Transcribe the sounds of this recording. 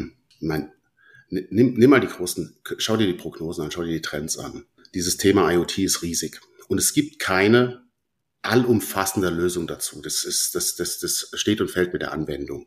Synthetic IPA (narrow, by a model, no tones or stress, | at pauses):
maɪn | nɪnɪmnɪmːaːldiːɡʁoːsn̩kʰʃaʊdiɐdiːpʁ̥oɡnoːzn̩ʔanʃaʊdiɐdiːtʁ̥ɛnsʔa̰n | d̥iːzəstʰeːmaaɪotʰiːɪstʁiːzɪç | ʔʊntɛsɡ̥iːp̚tkʰaɪnə | ʔalʊmfasn̩dəløːzʊŋdat͡suːd̥asɪsd̥asd̥asd̥asʃteːtʊntfɛlt̚mɪtd̥ḛɐʔa̰nvɛndʊŋ